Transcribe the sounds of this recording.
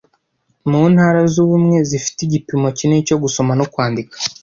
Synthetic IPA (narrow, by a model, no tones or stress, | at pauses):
muːnhaɾazuβumŋe̞zifi̥tiɟipimo̞cineco̞ɡuso̞mano̞kwaːndikḁ